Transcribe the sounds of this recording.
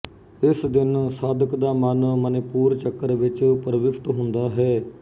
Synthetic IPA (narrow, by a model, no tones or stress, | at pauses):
ɪsd̪ɪnsaːd̪əkd̪aːmənmənɪpuːɾt͡ʃəkːəɾʋɪt͡ʃpəɾʋɪʃʈɦʊ̃nd̪aːɦɛː